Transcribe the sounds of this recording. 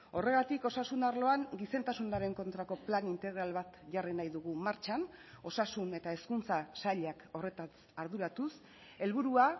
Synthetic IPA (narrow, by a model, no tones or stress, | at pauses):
o̞re̞ɣat̪iko̞sasunaɾlo̞aŋɡise̞nt̪asunaɾe̞ŋko̞nt̪ɾako̞planint̪e̞ɣɾalβat̪ʝarinajðuɣ̞umaɾt͡ʃano̞sasune̞t̪aeskunt͡sasaʎako̞re̞t̪asaɾðuɾat̪us | e̞lβuɾua